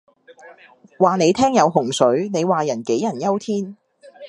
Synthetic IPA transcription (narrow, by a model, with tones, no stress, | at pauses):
waː˨ne˨˧jt̪ʰɛː˥ŋjɐ˨˧wɦʊ˨˩ŋsɵ˨˥ɥne˨˧jwaː˨jɐ˨˩nke˨˥jɐ˨˩njɐ˥wt̪ʰiː˥n